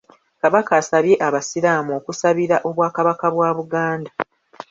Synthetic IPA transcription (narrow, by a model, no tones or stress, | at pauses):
kaβakaːsaβje̞ʔaβasiɾaːmuo̞ːkusaβiɾaʔo̞βwaːkaβakaβwaːβuɡaːnda